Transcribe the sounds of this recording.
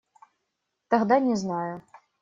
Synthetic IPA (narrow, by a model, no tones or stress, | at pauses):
t̪aɣd̪anʲɛznajʊ